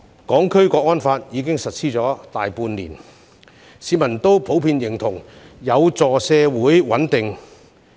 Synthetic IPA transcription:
kɔː˨˥ŋkʰɵ˥ɥkɔː˧k̚ːɔː˥nfaː˧t̚jiː˨˧kɪ˥ŋsɐ˨t̚sʰiː˥t͡sɔː˨˥t̪aː˨jpuː˧nlḭː˨˩n | siː˨˧tmɐ˨˩nt̪o˥wpʰo˨˥wpʰiː˧njɪ˨˩ŋt̪ʰʊ˨˩ŋjɐ˨˧wt͡sɔː˨˩sɛː˧wuː˨˥jwɐ˨˥nt̪ɪ˨ŋ

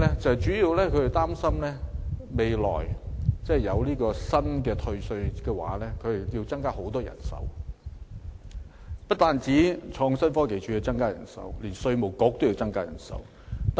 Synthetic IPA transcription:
ɛ˥t͡sɐ˨t͡ʃyː˨˥jiː˧wlɛː˥kʰɵ˨˧e˨t̪aː˥msɐ˥mlɛː˥me˨˧jlɔ̰ː˨˩jt͡sɛː˥˨jɐ˨˧wliː˥kɔː˧sɐ˥nkɛː˧t̪ʰɵ˧ɥsɵ˧ɥkɛː˧wa̰ː˨˥lɛː˥kʰɵ˨˧e˨˩ji˧wt͡sɐ˥ŋkaː˥ho˨˥wt̪ɔː˥jɐ̰˨˩nsɐ̰˨˥w | pɐ˥t̚t̪aː˨˧nt͡siː˨˥t͡ʃʰɔː˧ŋsɐ˥nfɔː˥ke˨jt͡ʃʰyː˨˥ɛ˧wt͡sɐ˥ŋkaː˥jɐ˨˩nsɐ̰˨˥wliː˨˩nsɵ˧ɥmo˨˩wkɔː˧˥k̚t̪o˥wji˧wt͡sɐ˥ŋkaː˥jɐ̰˨˩nsɐ̰˨˥w | t̪

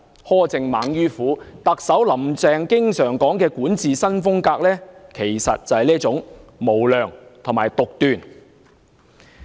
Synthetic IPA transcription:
hɔː˥t͡sɪ˨˧ŋmaː˨˧ŋjyː˥fuː˨˥t̪ɐ˨k̚sɐ˨˥wlɐ˨˩mt͡sɛː˧ŋkɪ˥ŋsœː˨˩ŋkɔː˨˥ŋkɛː˧kuː˨˥nt͡siː˨sɐ˥nfʊ˥ŋkaː˧k̚lɛː˥kʰe˨˩jsɐ̰˨t̚t͡sɐ˨whɐ˨jliː˥t͡sʊ˨˥ŋmo˨˩wlœː˨ŋt̪ʰmaː˨˩jt̪ʊ˨k̚t̪yː˨˩n

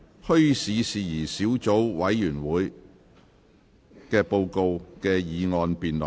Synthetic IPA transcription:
hɵ˥ɥsiː˨˧siː˨jiː˨˩siː˨˥wt͡so˨˥wwɐ˨˧˥jːyː˨˩nwuː˨˥j | kɛː˧po˧wko˧wkɛː˧jiː˨˧ŋɔː˧npiː˨nlɔ˨

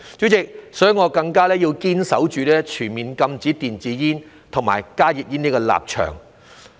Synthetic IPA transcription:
t͡ʃyː˨˥t͡sɪ˨k̚sɔ˨˥ŋɔː˨˧kɐ˧ŋkaː˥lɛː˥ji˧wkiː˥nsɐ˨˥wt͡ʃyː˨lɛː˥t͡ʃʰyː˨˩nmiː˨nkɐ˧mt͡siː˨˥t̪iː˨nt͡siː˨˥jiː˥n | t̪ʰʊ˨˩ŋmaː˨˩jkaː˥ji˨t̚jiː˥niː˥kɔ˧la̰ː˨p̚t͡ʃʰœ̰ː˨˩ŋ

